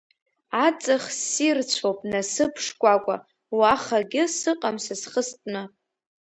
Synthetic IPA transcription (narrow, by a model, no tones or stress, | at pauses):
at͡sʼɨχsirt͡ɕʷʰopʼnasɨpʰʂkʷʼakʷʼa̰ | waχaɡʲɪsɨqʼamsasχəstʼna